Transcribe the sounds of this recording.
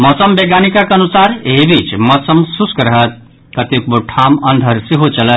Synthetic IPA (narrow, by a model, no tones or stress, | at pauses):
mɔsəmbeɡanikakɐnusaɾɦebit͡ʃmɔsəmsuskəɾəɦət̪̚ | kɐt̪jok̚boʈʰamɐnd̪ʱəɾsiɦot͡ʃɐlət̪